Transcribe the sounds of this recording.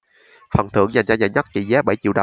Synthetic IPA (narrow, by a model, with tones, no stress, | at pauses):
fə˨˩nt̪ʰɨ̰˧˥əŋza˨˩jŋt͡ɕaː˧ɲaː˨˧˩jɲə˦˥t̚t͡ɕḭ˧˥zɛː˨˦˥ɓə˧˩jt͡ɕḭ˧˨wɗə˨˩